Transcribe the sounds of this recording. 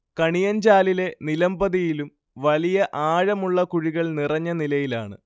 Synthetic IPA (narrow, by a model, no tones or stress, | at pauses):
kɐɳijɐɲd͡ʑaːlile̞nilɐmbɐðijilum | ʋɐɭijɐʔaːɻɐmuɭːɐkuɻiɣɐɭnirɐɲːɐnilɐjila̰ːɳɨ̰